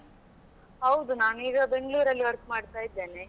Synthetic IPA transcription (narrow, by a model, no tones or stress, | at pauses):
ɦɐwd̪unaːnuiːɡɐbe̞ŋɡɭuːɾɐlːiɐɾpmaːɖt̪aːjid̪ːeːne